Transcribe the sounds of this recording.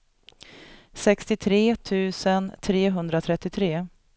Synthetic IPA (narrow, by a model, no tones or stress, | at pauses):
sɛkst̪ɪt̪ʰɾeːt̪ʰʉ̟ːsənt̪ʰɾeːɦɵnd̪ɾat̪ʰɾɛt̪ːɪt̪ʰɾeː